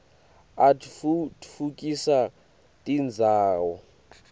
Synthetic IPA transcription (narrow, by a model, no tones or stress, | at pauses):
atfukʼisa | tʼind͡zʱaːwɔ